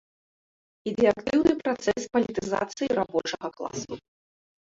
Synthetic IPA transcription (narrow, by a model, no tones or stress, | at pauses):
id̪ɛjakt̪ɨwnɨpɾat̪sɛspɐlʲit̪ɨza̰t̪sɨjiɾabɔt͡ʂɐɣɐklˠa̰sṵ